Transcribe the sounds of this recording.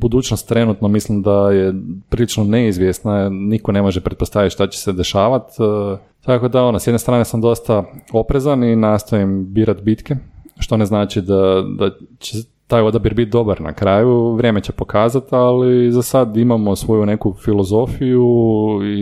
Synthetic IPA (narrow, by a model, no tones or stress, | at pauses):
bud̪uːt͡ɕnost̪ːɾe̞nut̪no̞mislimd̪ajepɾilit͡ʃnone̞izʋjest̪naniko̞ne̞moʒepɾet̪po̞st̪aʋit̪ʃt̪at͡ɕe̥se̞d̪e̞ʃaːʋat̪ | t̪ako̞d̪ao̞nosjed̪nest̪ɾaːne̞samd̪o̞st̪ao̞pɾezaninaːst̪ojembiːɾat̪bit̪ke̞ʃt̪o̞neznaːt͡ʃid̪ad̪at͡ɕe | t̪aːjo̞d̪abiɾbit̪̚d̪o̞baɾna̰kɾaːjuʋɾjemet͡ɕe̞po̞kaːzat̪alizasad̪imamo̞sʋo̞june̞kufilˠo̞zo̞fijui